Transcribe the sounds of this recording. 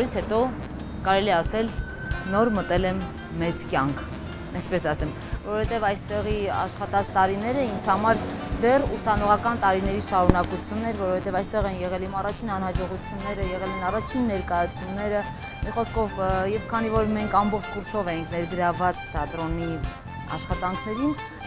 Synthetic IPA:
ɾit͡sʰhɛt̪ɔ | kɑɾɛliɛɑsɛl | nɔɾmət̪ɛlɛmː | ɛt͡skʲjɑŋkʰ | ɛspɛsɑsɛm | vɔɾɔfɛt̪ɛvɑjst̪ɛʁiɑ̰ʃχɑt̪ɑt͡sʰt̪ɑɾinɛɾəint͡sʰhɑmɑɾd̪ɛrusɑnɔʁɑkɑnt̪ɑɾinɛɾiʃɑɾunɑkut͡sʰjunːɛɾvɔɾɔvfʰɛt̪ɛvɑjst̪ɛʁɛnjɛʁɛlimɑrɑt͡ʃʰinɑn̪hɑd͡ʒɔʁut͡sʰjunːɛɾəjɛʁɛlɛnɑrɑt͡ʃʰinːɛɾkɑjɑt͡sʰjunːɛɾə | miχɔskʰɔvjɛvkʰɑnivɔɾmɛŋkʰɑmbɔχt͡ʃʰkuɾsɔvɛjiŋkʰnɛɾɡəɾɑvːɑt͡st̪ʰɑt̪ɾɔni | ɑ̰ʃχɑt̪ɑŋkʰnɛɾin

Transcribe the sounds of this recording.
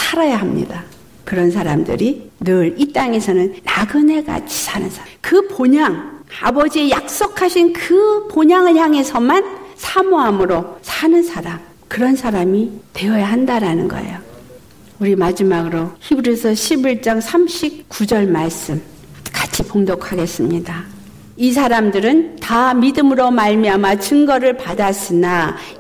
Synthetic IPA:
sʰaɾajaɦamɲḭda | kɯɾʌns̬ʰaɾamdɯ̰ɾinɯɾit͈aŋe̞sʰʌnɯnːaɡɯne̞ɡa̰t͡ɕʰi̥sʰanɯ̰nsʰakɯpoɲaŋa̰bʌd͡ʑie̞jak̚s͈okʰaɕʰinkɯpoɲaŋɯjaŋe̞sʰʌmansʰamoɦamɯɾosʰanɯnsʰaɾam | kɯɾʌnsʰaɾamite̞ʌjaɦandaɾanɯnɡʌ̰ḛjo | uɾimad͡ʑimaɡɯɾoçibɯɾesʰʌɕʰibiɭt͡ɕ͈aŋsʰamɕʰip̚k͈ud͡ʑʌɭmaɭs͈ɯm | kḁt͡ɕʰipoŋdʌkʰaɡe̞s͈ɯmɲida | is̬ʰaɾamdɯɾɯntamidɯmɯɾomaɭmiamat͡ɕɯŋɡʌɾɯɭpadas͈ɯna

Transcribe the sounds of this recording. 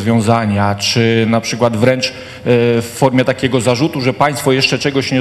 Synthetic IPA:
zvʲjɔ̃w̃zaɲat͡ʂɘnapʂɘkwad̪vɾɛnt͡ʂ | fːɔɾmʲjɛt̪akʲɛɡɔzaʐut̪uʐɛpaj̃st̪fɔjɛʂt͡ʂɛt͡ʂɛɡɔɕɲɛ

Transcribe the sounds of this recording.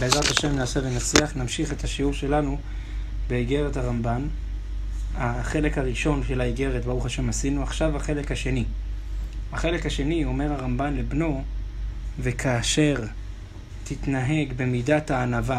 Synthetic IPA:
bleːzʁathaʃe̞mnaːsevenat͡sliaχnamʃiχe̞thaʃiuʁʃe̞lanu | be̞iɡe̞ʁethaʁamban | aχe̞le̞khaʁiʃo̞nʃelaiɡe̞ʁetbaʁuχaʃe̞masinuaχʃavaχe̞lekhaʃe̞ni | aχe̞le̞khaʃe̞nio̞me̞ʁhaʁambanle̞bno̞ | ve̞kʰaːʃe̞ʁ | titnaɦe̞ɡbe̞midathaːnava

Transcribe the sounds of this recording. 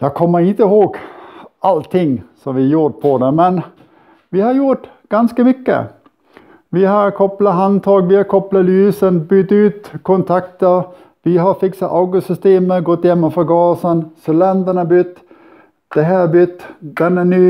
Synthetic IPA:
jɑkʰɔmːəɾɪnt̪əɪhoːɡʔalt̪ʰɪŋːsɔmʋɪjuːʈ̪̚pʰɔd̪ɛmɛn | ʋɪhɑɾjʊʈ | ɡ̥anskəmʏkːə̰ | ʋɪɦɑɾkʰɔplaɦant̪ʰɑːɡʋɪhɑɾkʰɔplalʉːsənbʏt̪ːʉːt̪kʰɔnt̪ʰakt̪əɾ | ʋɪɦɑɾfɪksat̪aʊɡʊsʏst̪eːməɡɔt̪ːjɛmːəfœɾɡɑːsənsɔlɛnd̪əɳəbʏt̪ː | d̪̥ɛɦæːbʏt̪ːd̪̥ɛnænyː

